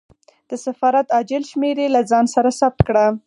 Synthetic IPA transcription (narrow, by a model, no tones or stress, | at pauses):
d̪̥əsafɑɾat̪ɑd͡ʒɪlʃmeɾelazɑnsaɾasab̚t̪kɽa